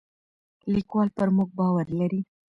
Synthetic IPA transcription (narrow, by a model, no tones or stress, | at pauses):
likwɑlpəɾmuɡ̚bɑwaɾlaɾi